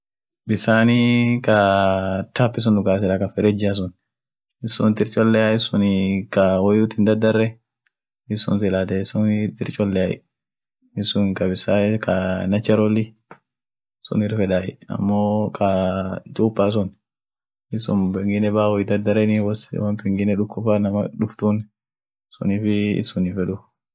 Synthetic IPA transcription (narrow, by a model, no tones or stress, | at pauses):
bisanika | tapːis̬ɔndukasɛlakafɛɾɛd͡ʒas̬ɔn | isɔntiɾt͡ʃʼɔlːɛajisunikawojutindadaɾɛ | isɔ̰nsilatɛisunitiɾt͡ʃɔlːɛajḭ | isunikabisaika̰nɐt͡ʃːɐɾɔlɪ | ɪsʊ̰nɪɾfɛᶑaːjɛɐ̰mːokʰat̪ʼuːpːaːs̬ʊn | ɪsʊnbɛŋɡɪnɛbaːwɔjɪd̪ɐd̪ɐɾɛnɪwɔswɐnfɛŋɡɪnɛᶑʊkːʊfanɐmɐᶑʊft̪un | sʊ̰niːfɪɪ̰sʊnɪfɛᶑʊ